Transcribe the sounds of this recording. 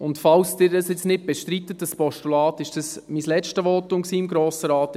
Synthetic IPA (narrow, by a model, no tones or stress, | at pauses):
ʊntfɑlsdɪɾdɑsjɪt͡snɪt̚b̥ɛʃtɾitːətd̥əspɔʃtulɑːt̪ɪʃd̥əsmislɛt͡ʃtəʋoːtʊŋksiːɪmɡɾoːsəɾaːt